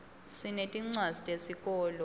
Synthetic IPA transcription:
sinetʼiŋ͡ǀwazitʼesik̬ʼɔːlɔ

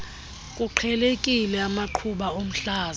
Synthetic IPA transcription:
kʼuǃʰɛlekʼilɛamaǃʰuɓaom̩ɬaːz

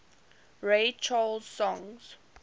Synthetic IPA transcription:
ɹet͡ʃalz̥sɔ̃ŋz̥

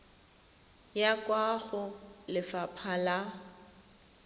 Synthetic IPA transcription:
jakʼwaɣʊlɪfapʰala

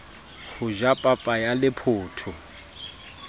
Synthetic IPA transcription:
hʊʒapʼapʼajalɪpʰʊːtʰʊ

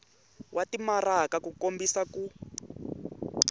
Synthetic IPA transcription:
wʔatimarakakukombisaku

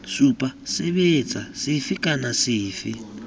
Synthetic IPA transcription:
supʼasɪβet͡sʼasifɪkʼanasiːfɪ

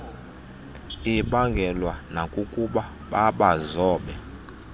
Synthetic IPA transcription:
iɓaŋɡʱɛlwanakʼukʼuɓa | ɓaɓazɔːɓɛ

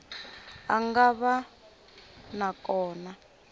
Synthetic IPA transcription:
aŋɡaβa | nakɔːna

